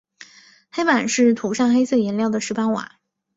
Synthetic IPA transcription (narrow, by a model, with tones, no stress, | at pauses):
xe˥ɪpa˨˩nʂɻ̩˥˩t̪ʰu˨˧˥ʂɑ˥˩ŋxe˥ɪsɤ˥˩jɛ˧˥nljɑ˥˩ʊd̪ə˩ʂɻ̩˧˥pa˥nwa̰˨˩˦